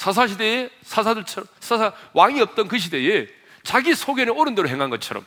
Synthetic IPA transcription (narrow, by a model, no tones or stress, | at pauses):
sʰas̬ʰaɕʰideesʰas̬ʰadɯɭt͡ɕʰʌɾʌsʰasʰawaŋiʌp̚t͈ʌnkɯɕʰide̞e | t͡ɕaɡisʰoɡeneoɾɯndeɾoɦeŋɦanɡʌt͡ɕʰʌɾʌm